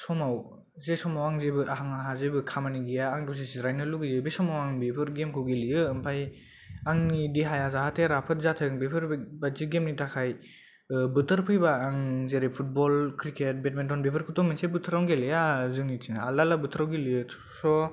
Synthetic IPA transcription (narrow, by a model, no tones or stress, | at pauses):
sɔmaw | zesɔmawaŋzebɯʔaɦaŋaɦazebɯkʰamaniɡijaːŋdɔzesiɾajnɯluɡizebesɔmawaŋbepʰɯɾɡemkʰɯwɡilijɯɯmpʰaj | aŋnidiɦajazaɦatʰeɾapʰɯt̚zatʰɯɯŋbepʰɯɾbaziɡemnitʰakʰaj | bɯtʰɯɾpʰɯjbaːŋzeɾepʰut̚bɔlkʰɾiket̚bet̚mentɔnbepʰɯɾkʰutɔŋminsebɯtʰɯɾawŋɡelejazɯŋnitʰiŋaalalabɯtʰɯɾawɡilijɯ | sɔ